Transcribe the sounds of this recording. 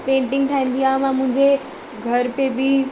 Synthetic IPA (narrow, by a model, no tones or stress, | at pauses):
pẽːɳʈɪ̃ŋɡ̚t̪ʰaːĩːn̆d̪iãːmãmʊ̃ɦɪ̃ɲd͡ʑe | ɡʱɐɾpebi